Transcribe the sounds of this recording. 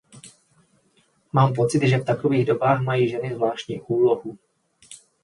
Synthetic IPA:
maːmpo̞t͡sɪt̪ʒɛft̪akoviːɣdo̞baːxmajiːʒɛnɪzvlaːʃcɲiːʔuːloɦu

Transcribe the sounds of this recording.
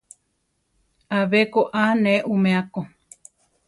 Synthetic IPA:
aβekoʔanẽʔumẽako

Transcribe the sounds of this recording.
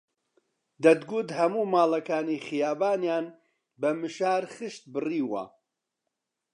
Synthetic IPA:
d̪ɐd̪ɡud̪hɐmuːmaːlɐkaːnixɨjaːbaːnjaːn | bɐmɨʃaːɾxɨʃt̪̚bɨriːwɐ̰

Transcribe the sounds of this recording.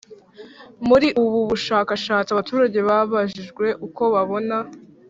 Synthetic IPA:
muɾiʔuβuβuʃaːkaʃaːt͡siaβatuːɾaɟe̞βaβaʒiʒɡwe̞ʔuko̞βaβo̞na

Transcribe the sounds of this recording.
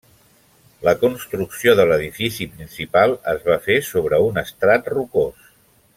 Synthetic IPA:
ləkunst̪ɾuksioðələðifisipɾinsipalˠə̰zβafesoβ̞ɾəunəst̪ɾat̪rukos

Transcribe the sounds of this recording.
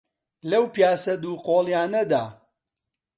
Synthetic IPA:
lɐwpjaːsɐd̪uːqoːlˠjaːnɐd̪aː

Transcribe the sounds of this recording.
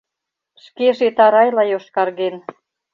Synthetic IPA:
ʃkeʒet̪ɑɾɑjlɑjoʃkɑrɣen

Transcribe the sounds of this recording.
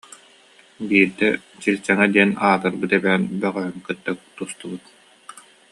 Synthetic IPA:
biːɾd̪ɛ | t͡ɕilʲt͡ɕɛŋɛd̪iɛnaːt̪ɯɾbɯt̪ɛbɛːnbœʁœɦœmkɯt̪ːakt̪ust̪ubɯt̪̚

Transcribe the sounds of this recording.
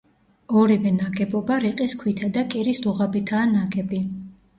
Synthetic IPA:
ɔɾivɛnaɡɛbɔbaɾiqʼiskʰwit̪ʰad̪akʼiɾisd̪uʁabit̪ʰaːnaɡɛbi

